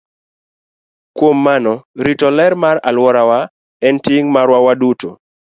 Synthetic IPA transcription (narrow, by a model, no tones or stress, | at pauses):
kwomːanɔɾitɔlɛɾmaɾa̰lwɔɾawa | ɛntiŋmaɾwawaduto